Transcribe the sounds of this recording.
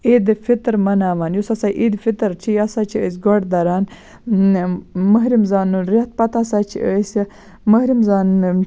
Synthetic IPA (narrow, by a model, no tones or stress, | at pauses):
id̪ɨfit̪ɾmɐnaːʋaːnjusɐsajʔid̪fit̪ɾt͡ʃʰijasat͡ʃʰiəs̬ɡoɖd̪ɐɾaːn | mɐɦɾimzaːnuɾet̪̚pɐt̪asaːt͡ʃʰḭəs | mɐhɾimzaːn